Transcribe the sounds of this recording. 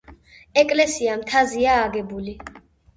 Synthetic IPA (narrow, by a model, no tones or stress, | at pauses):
ɛkʼlɛsiamt̪ʰaziaːɡɛbuli